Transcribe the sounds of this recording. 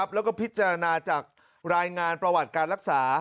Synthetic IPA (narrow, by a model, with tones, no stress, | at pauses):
a˦˥p̚lɛː˦˥wkɔː˥˩pʰi˦˥t̪̚t͡ɕa˧ɾa˧naː˧t͡ɕaː˨˩k̚ | ɾaː˧jŋaː˧npɾa˧wa˨˩t̪̚kaː˧nɾa˦˥k̚saː˩˦